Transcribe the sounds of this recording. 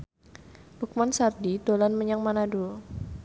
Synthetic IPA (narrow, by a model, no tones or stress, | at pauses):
buk̚mansardidolanməɲaŋmanadu